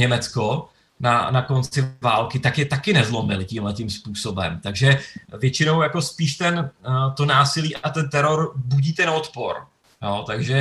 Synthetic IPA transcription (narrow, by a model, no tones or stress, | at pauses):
ɲɛmɛt͡sko | nanako̞nt͡sɪvaːlkɪt̪akjɛt̪akɪnɛzlo̞mɪlcimlɛt̪ɪmspuːso̞bɛ̰mt̪aɡʒɛvjɛt͡ʃɪno̞wjako̞spiːʃt̪ɛnt̪o̞naːsɪliːʔat̪ɛnt̪ɛɾo̞ɾbuɟiːt̪ɛnot̪po̞ɾ | joːt̪aɡʒɛ